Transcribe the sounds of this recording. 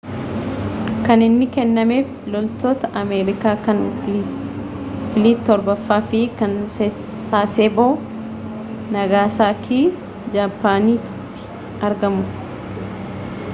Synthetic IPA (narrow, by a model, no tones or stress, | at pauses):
kɐnɪnːɪkɛnːɐme̞ːf | lɔlt̪oːt̪ɐʔɐmeːɾɪkaːkɐn | fɪliːt̪ːɔɾbɐfːaːfɪkɐnse | saːseːboː | nɐɡaːsaːkʰiː | d͡ʒaːpːaːniːt̪ʊ̥t̪ːɪ̥ | ɐɾɡɐmʊ